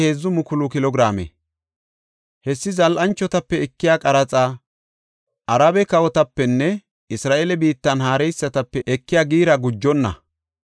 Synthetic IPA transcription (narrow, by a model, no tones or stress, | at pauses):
heːzːʊmʊkʊlʊkɪlɔɡɾaːmḛ | hɛsːɪzɐlʔɐnt͡ʃːɔt̪ɐpːɛɛkːɪjaːkʼɐɾɐt͡sʼaː | ʔɐɾabɛkɐwɔt̪ɐpːɛnːɛ | ɪsɾaːʔeːlɛbiːt̪ːɐnɦaːɾɛjsːɐt̪ɐpːɛʔɛkːɪjaːɡiːɾɐɡʊd͡ʒːɔnːɐ̰